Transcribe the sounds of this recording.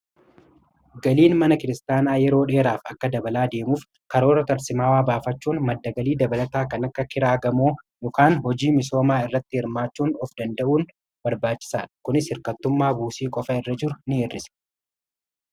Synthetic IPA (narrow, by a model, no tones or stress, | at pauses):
ɡɐliːnmɐnɐkɪɾɪst̪aːnaːjɛɾo̞ːᶑeːɾaːfɐkːɐd̪ɐbɐlaːd̪e̞ːmuːf | kɐɾo̞ːɾɐt̪ɐɾsɪmaːwaːbaːfɐt͡ʃːuːnmɐd̪ːɐɡɐliːd̪ɐbɐlɐt̪aːkɐnɐkːɐkɪɾaːɡɐmoːjɔkaːnɦɔd͡ʒiːmɪso̞ːmaːɪrːɐt̪ːɪhɪɾmaːt͡ʃːuːnɔfd̪ɐnd̪ɐʔuːn | bɐɾbaːt͡ʃːɪ̥saːᶑkʊnɪshɪɾkɐt̪ːʊmːaːbuːsiːkʼɔfɐɪrːɐd͡ʒɪɾʊnɪeːrːɪsɛ̥